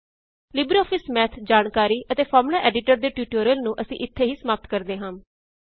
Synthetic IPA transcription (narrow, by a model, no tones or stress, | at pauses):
lɪbɾoːpʰɪsmɛːt̪ʰd͡ʒaːnkaːɾiːʔət̪eːpʰɔːɾmlaːʔɛːɖɪʈəɾd̪eːʈjuːʈoːɾjəlnũːʔəsḭ̃ːʔɪt̪ʰːeːɦiːsəmaːp̚t̪kəɾd̪eːɦãː